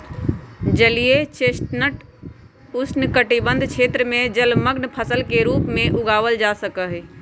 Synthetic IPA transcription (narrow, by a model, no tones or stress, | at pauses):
d͡ʒəlijet͡ʃeːst̪nəʈ | ʊsnkəʈibə̃nd̪ʱkʰeːt̪ɾəmẽd͡ʒəlməɡnpʰəsəlkeɾuːpmẽʔʊɡaːʋəld͡ʒasəkəɦɛ